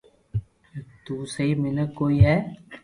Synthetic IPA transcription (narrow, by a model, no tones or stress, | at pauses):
t̪uːsəɦiːmɪnəkːoːiːɦɛː